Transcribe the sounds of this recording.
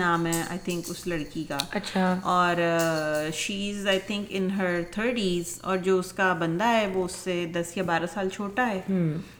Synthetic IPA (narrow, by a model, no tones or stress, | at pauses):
naːmɦɛa̰ːɪt̪ʰɪ̃ŋkʊslɐɽkikaːɐtːʃʰaɔːɾ | ʃiːɪzaːɪt̪ʰɪ̃ŋkɪ̃nɦəɾt̪ʰəːɾʈiːzɔ̰ːɾd͡ʒoːʊskabɐ̃nd̪aɦɛʋoʊsːed̪ɐsjabaːɾasaːlt͡ʃʰoːʈaɦɛːɦ